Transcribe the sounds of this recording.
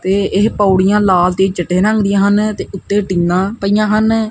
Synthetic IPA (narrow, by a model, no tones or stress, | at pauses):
t̪eːɪɦpəːʊɽɪjãːlaːlt̪eːt͡ʃəʈːeːɾə̃ŋɡd̪ɪjãːɦənt̪eːʔʊt̪ːeːʈiːnãːpəijãːɦən